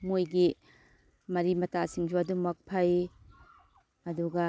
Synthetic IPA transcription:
mojɡi | mɐɾimɐtasiŋd͡ʒʰuɐdumɐk̚pʰɐj | ɐduɡɐ

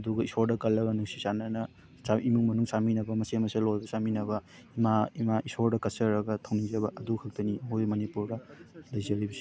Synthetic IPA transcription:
ɐduɡɐisoɾdɐkɐlːɐɡɐnuŋsi̥sanɐnɐ | saimuŋmɐnuŋsaminɐbɐmɐsemɐselojbɐsaminɐbɐ | imaimaisoɾdɐkɐsɐɾɐɡɐtʰɐwnid͡ʒɐβɐʔɐdukʰɐk̚tɐnimojmɐnipuɾdɐlɐjzɐɾibɐsi̥

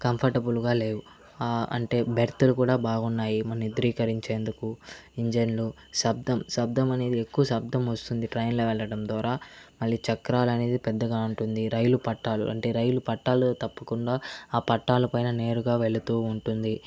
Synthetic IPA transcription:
kɐmpʰɐɾʈɐbulɡaːle̞ːʋu | aːɐ̰ɳʈe̞ːbʱɐɾt̪ulukuːɽaːbaːɡunːaːjimɐnɐnid̪ɾiːkɐɾiɲt͡ʃe̞ːnd̪ukuiɲd͡ʒenlu | ʃɐb̚d̪ɐmʃɐb̚d̪ʱɐmɐne̞ːd̪iekːuʋɐʃɐb̚d̪ʱɐmʋɐst̪und̪iʈɾɐjnloːʋɛɭːɐɽɐmd̪aːɾaːmɐɭːit͡ʃɐkɾaːlɐne̞ːd̪ipɛd̪ːɐɡaːuɳʈund̪iɾɐjulupɐʈːaːlṵʔɐɳʈe̞ːɾɐjulupɐʈːaːlut̪ɐpːɐkuɳɖaːaːpɐʈːaːlɐpɐjnɐne̞ːɾuɡaːʋe̞ɭut̪uːuɳʈund̪i

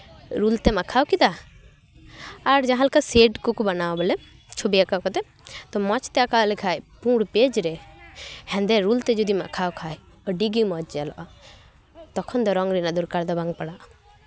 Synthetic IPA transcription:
ɾult̪ɛmaʔkʰawkid̪a | aɾd͡ʒaɦãlkaseɖkukubanawbɔlɛ | t͡ʃʰobijakawkɔt̪ɛ | t̪ɔmɔt͡ʃt̪ɛakalɛkʰajpũɽped͡ʒɾɛ | hɛ̃nd̪ɛɾult̪ɛd͡ʒɔd̪ima̰ʔkʰawkʰaj | ɔɖiɡimɔt͡ʃd͡ʒalɔ̰ʔa | t̪ɔkʰɔnd̪ɔɾɔŋɡɾinad̪uɾkaɾd̪ɔbaŋpaɽaʔ

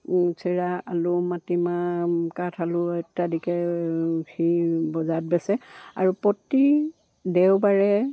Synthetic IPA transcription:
sʰiɹaalʊmatimakatʰalʊɛtːadikɛ | xibɔzat̚bɛsɛa̰ɹupɔti | dɛwbaɹɛ

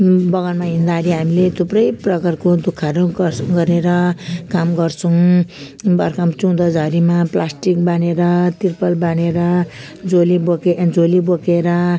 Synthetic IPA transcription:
bʌɡʌnmaɦind̪aɾiɦamilet̪ʰuprʌjprʌkʌrkod̪ukʰːaɾoɡʌɾeɾʌkamɡʌrt͡sʰʌw̃ | bʌrkamt͡sũd̪ʌd͡zʱʌɾimaplasʈik̚baneɾʌt̪irpʌlbaneɾʌ | d͡zoliboked͡zolibokeɾʌ

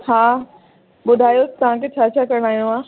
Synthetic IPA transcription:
haː | ɓʊd̪ʱaːjot̪ɐʋ̤ãkʰet͡ɕʰaːt͡ɕʰaːkɐɾəɽ̃aːɦijõãː

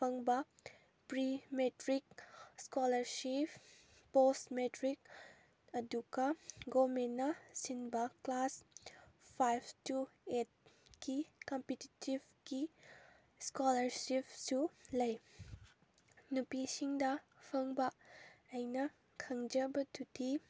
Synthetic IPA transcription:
pʰɐŋbɐ | pɾimetɾik̚skɔlɐɾsip | posmetɾik̚ | ɐduɡɐɡomenːɐsinbɐklas | pʰajpʰtuet̚kikɔmpetitibki | skɔlɐɾsipsulɐj | nupisiŋdɐ | pʰɐŋbɐːjnɐ | kʰɐŋd͡ʒɐbɐtudi

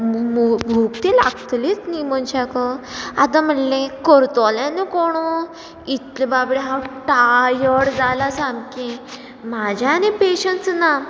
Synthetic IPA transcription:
mubʱuɡt̪ila̰ɡt̪let͡snimənt͡ɕakəat̪am̤əʈlẽkəɾt̪ɔlãnekoɽ̃o | it̪lebabɽiɦãwʈajəɽd͡zalasãmkẽ | mad͡ʑʱjanipeɕənt͡sna

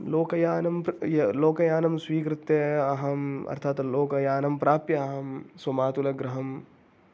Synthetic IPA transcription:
loːkɐjaːnɐmjɐloːkɐjaːnɐmswiːkɾɪt̪jɐɐɦɐmɐ̰ɾt̪ʰaːt̪loːkɐjaːnɐmpɾaːpjɐɐɦɐmswɐmaːt̪ulɐɡɾɐɦɐm

